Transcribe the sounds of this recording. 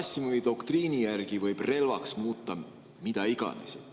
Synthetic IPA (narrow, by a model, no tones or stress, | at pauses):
sːimuid̪o̞kt̪riːnijærɡ̥ivɤjb̥re̞lvɑksmuːt̪ːɑ | mid̪̥æiɡ̥ɑ̰nḭse